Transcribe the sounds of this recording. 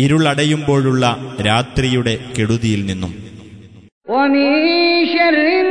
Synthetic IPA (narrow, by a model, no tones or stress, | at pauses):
iɾuɭɐɽɐjumbo̞ːɻuɭːɐɾaːt̪rijuɽe̞ke̞ɽuðijilninːum | omiɕɐɾi